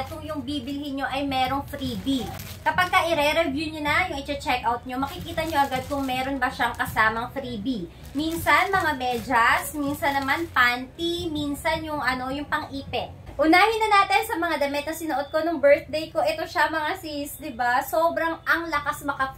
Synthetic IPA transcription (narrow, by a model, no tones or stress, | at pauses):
kʊŋjʊŋbiːbɪlɪhɪnɲo̞ʔɐjmɛːɾo̞ŋfɾiːbi | kɐpaɡ̚kɐʔɪɾɛɾɛvjuɲonɐjʊŋʔɪt͡ʃɛt͡ʃɛkʔawt̪̚ɲo̞mɐkɪkiːt̪ɐɲo̞ʔɐɡad̪̚kʊŋmɛːɾo̞nbɐʃaŋkɐsaːmɐŋfɾibi | minsɐnmɐŋamɛːd͡ʒɐsminsɐnːɐmanpant̪iminsɐnjʊŋʔɐno̞jʊŋpɐŋʔiːpɛt̪̚ʔʊnaːhɪnːɐnaːt̪ɪnsɐmɐŋad̪ɐmɛt̪̚nɐsɪnoʔot̪̚ko̞nʊŋbɛɹt̪̚d̪ɛjko̞ʔɛt̪oʃaɐmɐŋasisd̪ɪbasoːbɾɐŋʔɐŋlɐkasmɐkɐ